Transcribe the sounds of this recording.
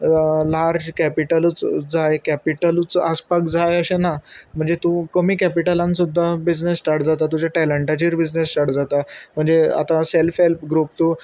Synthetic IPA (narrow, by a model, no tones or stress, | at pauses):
laɾd͡ʑkæpiʈələt͡sd͡zajkæpiʈəlt͡saspakd͡zajəɕenam̤əɳd͡zet̪ũkəmiːkæpiʈəlãnsud̪ʱːabid͡znesːʈaɾʈd͡zat̪at̪ud͡ʑaʈæləɳʈat͡ɕiːɾbid͡znesʈaɾʈd͡zat̪am̤əɳd͡zea̰t̪aselfɦelpɡɾuːp̚t̪uː